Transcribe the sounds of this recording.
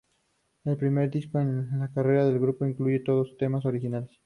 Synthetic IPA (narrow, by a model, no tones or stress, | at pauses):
e̞lpɾime̞ɾd̪iskoenlakare̞ɾaðe̞lɣɾupo̞iŋkluʝe̞t̪o̞ðost̪e̞mas̬o̞ɾixinales